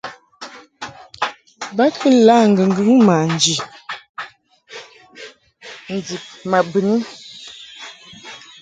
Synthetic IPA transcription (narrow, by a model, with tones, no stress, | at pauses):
ba˦kʰə˦la˦˨ŋ̩˨ɡə˨ŋ˨ɡʉ˦ŋ˦ma˨n˨d͡ʒi˨ | n̩˨di˨p̚ma˨bə˨ni˦